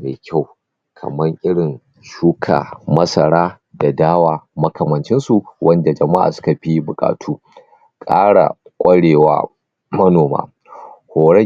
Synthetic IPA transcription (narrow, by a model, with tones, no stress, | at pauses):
meː˨kʲʰa˦˨w | kʰɐ̰˨mɐ˦ŋʔɪ˦ɽɪ˨n | ʃuː˦kʰa̰ː˨mɐ˦sɐ˨ɽaː˦ | da˨daː˦waː˨mɐ˦kɐ˨mɐ˨nt͡ʃɪ˦nsu˨wʔɐ˦nda˨d͡ʒɐ˨ma˦ʔa̰˨sʊ̥˦ka˨ɸiː˦bʊ˨kʼa̰ː˨tʰuː˦ | kʼaː˦ɽa̰˨kʷʼɐ˦ɽeː˨wa̰ː˦ | mɐ˦noː˨ma̰ː˦ | hoː˨ɽɛ˦